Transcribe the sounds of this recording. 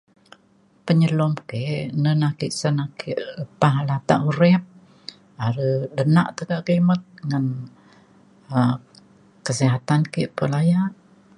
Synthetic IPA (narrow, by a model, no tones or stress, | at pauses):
pəɲəlɔmkeʔnənakiʔsənakiʔpaɦalat̪a̰ʔuɾɛp̚ | aɾədənaʔt̪əkaʔkemət̪̚ŋən | ə | kəsiɦat̪ankiʔpəlajaʔ